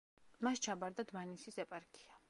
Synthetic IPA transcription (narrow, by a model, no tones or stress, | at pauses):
mast͡ʃʰabaɾd̪ad̪manisisɛpʼaɾkʼia